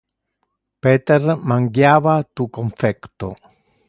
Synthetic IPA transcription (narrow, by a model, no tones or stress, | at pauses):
peːt̪ermaŋɡjaːvat̪ukoɱfɛkt̪o̰